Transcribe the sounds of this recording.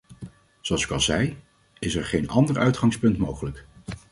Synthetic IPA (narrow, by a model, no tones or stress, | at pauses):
zoɑlˠsɪ̥kɑlˠzɛj | ɪsɛɹχejnɑ̰ndəɹœɥtχɑŋspɵntmowχələk